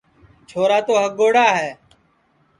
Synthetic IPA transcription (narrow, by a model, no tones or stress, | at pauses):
t͡ʃʰoːɾaːt̪oːɦək̚ɡoːɽaːɦɛː